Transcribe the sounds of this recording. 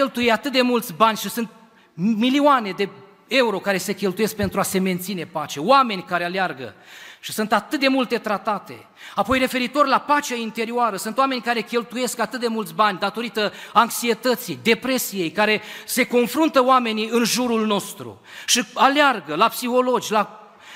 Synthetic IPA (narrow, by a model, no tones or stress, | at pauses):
elt̪ujeat̪ɨt̪̚d̪emult̪sʲbanʲʃisunt̪̚ | milioane̞d̪e̞ | e̞uɾo̞kaɾe̞se̞kʲe̞lt̪uje̞sk̚pent̪ɾuase̞me̞nt̪sine̞pat͡ʃe̞oame̞nʲkaɾealearɡə̰ʃi̥sunt̪at̪ɨt̪̚d̪e̞mult̪e̞t̪ɾat̪at̪e̞̰ | apo̞jre̞fe̞ɾit̪o̞rlapat͡ʃeaint̪e̞ɾioaɾəsunt̪oame̞nʲkaɾe̞kʲe̞lt̪uje̞skat̪ɨt̪̚d̪e̞mult̪sʲbanʲd̪at̪o̞ɾit̪əaŋksie̞t̪ət̪sijd̪e̞pɾe̞sije̞jkaɾe̞se̞ko̞nfɾunt̪əoame̞niɨnʒuɾulno̞st̪ɾṵ | ʃialearɡəlapsixo̞lo̞d͡ʒʲla